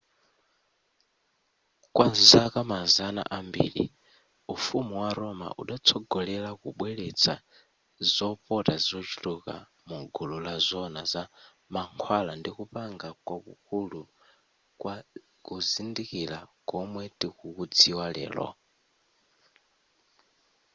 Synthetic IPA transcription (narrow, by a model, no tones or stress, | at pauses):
kwazakamazana̰ʔambḭɺḭ | ufumiwaɾɔma̰ʔuɗat͡sʰɔɡɔlɛlakuɓwɛɺet͡sʰa | zɔpɔtazɔt͡ʃu̥tuka̰ | muɡululazʷɔnaza | maŋkʰwalandikupaŋɡakwakukʰulu | kwa | kuzindikilakɔmwɛtʼikukud͡ziwalɛ̰ːlɔ̰